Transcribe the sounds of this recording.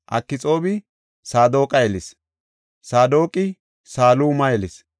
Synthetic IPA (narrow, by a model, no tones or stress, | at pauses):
ʔɐ̰kːɪt͡sʼo̞ːbɪ | saːd̪o̞ːkʼɐjɛlɪs | saːd̪o̞ːkʼɪ | saːluːmɐjɛlɪs